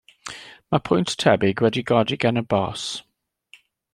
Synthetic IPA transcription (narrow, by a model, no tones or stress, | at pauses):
mapʰɔ̃ɪ̃nttʰɛbiɡɹɛdiɡɑdiɡɛnəbɔˑs